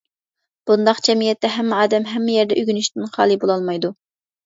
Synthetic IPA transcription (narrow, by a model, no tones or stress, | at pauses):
b̥und̪ɑqd͡ʒɛmijɛt̪ːɛɦɛmːɛɑːd̪ɛmɦɛmːɪjɛɾd̪ɛʔyɡʲynyʃt̪ɪnχɑ̰ːlˠɨbolˠɑlˠmɑjd̪u